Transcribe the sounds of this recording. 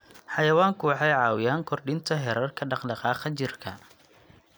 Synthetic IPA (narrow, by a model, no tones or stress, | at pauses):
ħɑjɐwaːŋkʰʊwɑħɑjʕɑːwɪjaːŋkʰɔrɖɪnt̪ʰɐɦɛɾɐrkʰɐɖɑqɖɑqɑːqɐt͡ʃɪrkʰɐ̰